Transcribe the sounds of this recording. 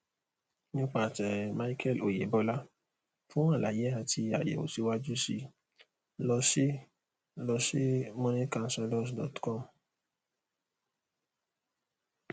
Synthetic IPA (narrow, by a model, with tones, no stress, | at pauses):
ɲĩ˦k͡pa˨tɛ˨ɾma˦i˦kʰɛ˦˨lo˨je˨bɔ˦la˦ | fũ˦wã˦˨la˨je˨˦a˧ti˧a̰˨jḛ˨o̰˨si˦wa˦d͡ʒu˦si˧ | lɔ˧ʃe˦ | lɔ˧ʃe˦mɔ̃˦nĩ˦kã˧n̩˦sɛ˧lɔ˦s̬dɔ̰˨tkɔ˦˨m